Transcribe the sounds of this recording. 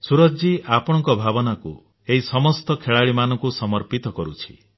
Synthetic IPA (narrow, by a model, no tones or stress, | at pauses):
suɾɔd͡ʒiapɔɽ̃ɔŋkɔbʱabɔnaku | eɦisɔmɔst̪ɔkʰeɭaɭimanɔŋkusɔmɔɾpit̪ɔkɔɾut͡ʃʰi̥